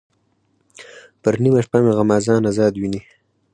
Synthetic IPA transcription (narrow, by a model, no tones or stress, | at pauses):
pəɾnimaʃpameɣamaːzɑːnazɑːd̪wini